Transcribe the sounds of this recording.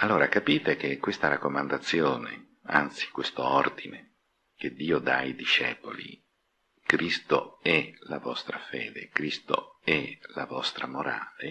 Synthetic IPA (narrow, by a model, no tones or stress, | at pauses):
alːoːɾakapiːt̪ek̟ekːwest̪aɾakːomand̪at̪sːjoːnḛ | a̰nt̪si̥kwest̪oord̪ine | k̟ed̪ːiːod̪ajd̪iʃɛ̰ːpolḭ | kɾist̪oɛla̰vɔst̪ɾafḛːd̪ekɾist̪o̰ɛlavɔst̪ɾamoɾa̰ːle